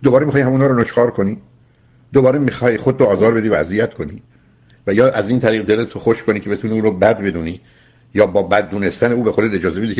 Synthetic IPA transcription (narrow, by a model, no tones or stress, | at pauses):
d̪obɒːɾemiχɒːjhæmunhɒːɾonoʃkɒːɾkʰo̞ni | d̪̥obɒːɾemixɒːjxod̪̚t̪oɒːzɒːɾbe̞d̪iːvææzijæt̪kʰo̞nḭ | væjɒːʔæziːnt̪ʰæɾiːɣd̪e̞let̪ʰoxo̞ʃkʰonicʰe̞be̞t̪ʰuniːuːɾobæd̪be̞d̪uːni | jɒːbɒːbæd̪̚ːuːne̞st̪æne̞uːbe̞xod̪ele̞d͡ʒɒːze̞bed̪iːcʰe